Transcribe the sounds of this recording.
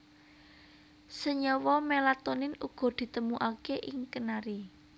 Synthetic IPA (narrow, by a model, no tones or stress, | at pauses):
səɲɔwɔmelat̪onɪnuɡ̥ɔ̤d̪̥i̤t̪əmuʔakeʔɪŋkənaɾi